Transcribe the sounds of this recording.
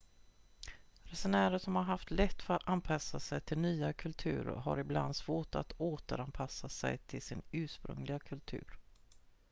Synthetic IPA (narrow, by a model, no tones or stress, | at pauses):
ɾɛsɛnæːɾəʂɔmhaɾɦaft̪lɛt̪ːfœɾat̪anpʰasːasɛjt̪ʰɪlnyːakʰɵlt̪ʰʉ̟̰ːɾ̰ɦa̰ɾɪbla̰nd̪svoːʈa̰t̪oːt̪əɾanpʰasːasɛ̰jt̪ʰɪlsɪnʉ̟ːʂpɾɵ̰ŋlɪɡakʰɵlt̪ʰʉ̟̰ːɾ